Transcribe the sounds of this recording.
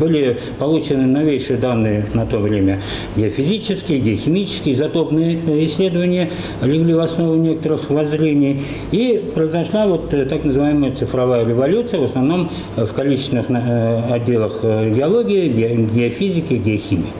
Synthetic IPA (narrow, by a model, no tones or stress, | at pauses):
bɨlʲɪ | pɐlˠut͡ɕɪnɨnɐvʲejʂɨjəd̪anːɨjənɐt̪o̞vɾʲemʲə | ɡʲɪɐfʲɪzʲit͡ɕɪskʲɪjəɡʲɪəxʲɪmʲit͡ɕɪ̥skʲɪjəzɐt̪o̞pnɨjəɪsʲːlʲe̞d̪əvənʲɪjə | lʲɪɡlʲivɐsno̞vʊnʲekə̥t̪əɾɨxvɐzɾʲenʲɪj | ipɾəɪzɐʂlˠavo̞t̪t̪aknəzɨvajɪməjət̪sɨfɾɐvajəɾʲɪvɐlʲut̪sɨjəvəsnɐvno̞m | fkɐlʲit͡ɕɪsʲɪnɨxɐdʲːe̞lˠəxɡʲɪɐlˠo̞ɡʲɪɪɡʲɡʲɪɐfʲizʲɪkʲɪɡʲɪɐxʲimʲiə